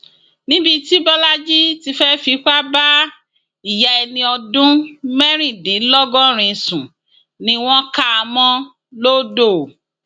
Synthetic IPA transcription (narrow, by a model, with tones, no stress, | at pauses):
nĩ˦bi˧ti˦bɔ˦la˦d͡ʒi˦ti˧fɛ˦fi˧˦k͡pa˦ba˦ | i˨ja˧ɛ˧nĩ˧ɔ˧dũ˦mɛ˦ɾ̃ĩ˦˨dĩ˨˦lɔ˦ɡɔ̃˦ɾ̃ĩ˧˨sũ˨ | nĩ˧w̃ɔ̃˦ka˦˧mɔ̃˦ | lo˦do˦˨